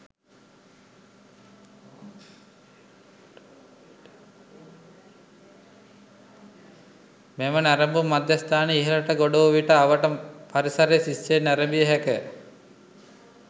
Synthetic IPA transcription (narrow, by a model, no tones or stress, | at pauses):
mɛmənæɾəmbumːad̪jɐst̪aːneiɦiləʈəɡoɖoʋʋiʈəaʋəʈəpaɾisɐɾesisːenæɾəmbijəɦɛkə